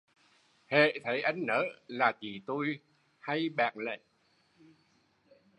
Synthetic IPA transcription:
hḛ˧˨t̪ʰə˨˦jʔa˧jŋ̟nəː˨˦laː˨˩t͡ɕi˨˩t̪o˧j | ha˧jɓa̰ː˧˨˩ŋlə̰˧˨ʔ

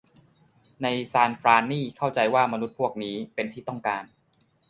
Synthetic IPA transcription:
na˧jsaː˧nfɾaː˧niː˥˩kʰa˥˩wt͡ɕa˧jwaː˥˩ma˧nu˦˥t̪̚pʰu˥˩ək̚niː˦˥pe˧nt̪ʰiː˥˩t̪ɔ˥˩ŋkaː˧n

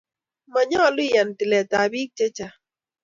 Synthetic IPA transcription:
ma˨ɲɔ˦˨li˦˨ja˨n˨ti˨lɛ˨ta˨bi˦k̚t͡ʃɛ˦t͡ʃa˨

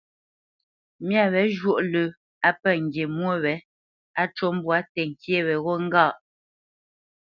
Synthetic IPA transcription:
mja˦˨βɛ˨˦ʒwo˦ʔlə˨ | a˦pɛ˦˨ŋ̩˨ɡje˨mwo˦˨wɛ˨˦ | a˦t͡ʃo˦m˦bwa˨˦tɛ˨ŋ˨kje˦˨wɛ˨ɣo˦ŋ̩˦ɡaː˦˨ʔ

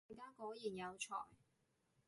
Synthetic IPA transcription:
kaː˥ko˨˥jiː˨˩njɐ˨˧wt͡ʃʰɔ̰ː˨˩j

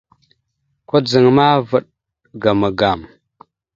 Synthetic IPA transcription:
kʷa˦d͡zə˨ŋma˦və˨ɗ | ɡa˨mə˨ɡa˨m

